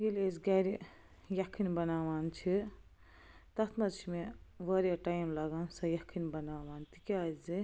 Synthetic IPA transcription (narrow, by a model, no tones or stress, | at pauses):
ɡilezɡɐɾi | jɐkʰinbɐnaːʋaːnt͡ʃʰi | t̪ɐt̪ʰmɐt͡ʃʰimeʋɐɾjɐʈajmlɐɡansɐjɐkʰinbɐnaːʋaːnt̪ikʲazi